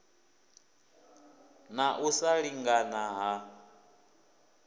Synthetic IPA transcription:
naʔusaɺiŋɡanaɦa

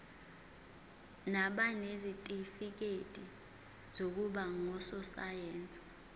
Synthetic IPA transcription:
naɓanezitʼifik̬etʼi | z̥ok̬uɓaŋɔsɔsajɛːnt͡sʼi̥

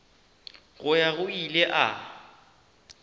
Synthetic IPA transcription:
ɣʊjaɣʊilɛʔa̰

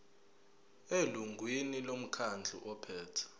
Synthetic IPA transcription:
eluŋɡʱwinilom̩kʰand͡ɮʱṵʔɔpʰɛːtʰḁ

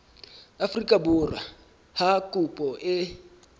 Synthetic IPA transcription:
afrikʼabura̰ | hakʼupʼɔʔɪ

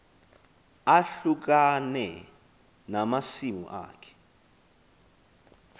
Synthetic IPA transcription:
aɬuk̬anɛ | namasimṵʔa̰ːkʰɛ̥

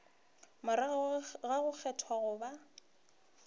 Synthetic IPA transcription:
mʊɾɣaɣʊk͡xʰɛtʰwaɣʊba

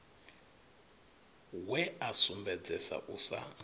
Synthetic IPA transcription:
wɛasumbɛd͡zɛsa̰ʔusa̰

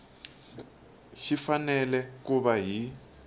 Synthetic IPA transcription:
ʃifanɛlɛkuβaɦi

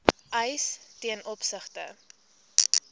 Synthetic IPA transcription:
ʔəjstiənʔɔpsəχtə̰

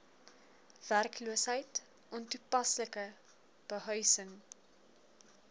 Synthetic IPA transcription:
v̥ærkluəsɦəjt | ʔɔntupɐsləkə | b̥əɦœɥsəŋ

